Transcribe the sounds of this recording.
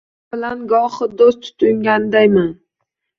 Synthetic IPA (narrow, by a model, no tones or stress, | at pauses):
bɪlanɡɒχɨd̪ost̪ʰʊ̥t̪ʰʊŋɡʲand̪ajman